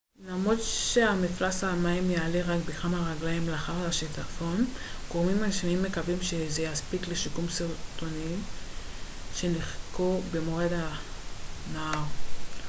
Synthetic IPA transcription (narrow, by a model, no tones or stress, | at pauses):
lamʁo̞dʃeamiflasamaimjaːleʁakbeχamaʁaɡlaimleaχaʁlaʃitafo̞nɡ̥oʁmimaʃnaimːe̞kavimʃezejaspikleʃikumsiʁt̪oni | ʃeniχkobemoʁeda | naaʁ